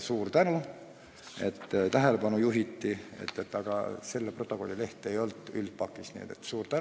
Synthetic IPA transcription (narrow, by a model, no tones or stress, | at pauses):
suːrt̪ænu | e̞t̪ːt̪æɦe̞le̞pɑnujuɦit̪ːie̞̰t̪ːˑet̪ːɑɡ̥ɑ̰se̞lːepro̞t̪ːˑoko̞lʲːile̞ht̪ˑejo̞lt̪ːˑy̰lt̪̚pɑkːˑisnḭet̪et̪suːɾt̪æ